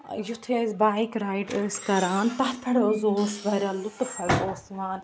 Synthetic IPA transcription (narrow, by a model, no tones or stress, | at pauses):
jut̪ʰezbaːjkɾaːjʈəːskɐɾaːnt̪ɐht̪ʰɐɽəzoːsʋɐɾaːlʊt̪pʰɐɽoːsʋaːn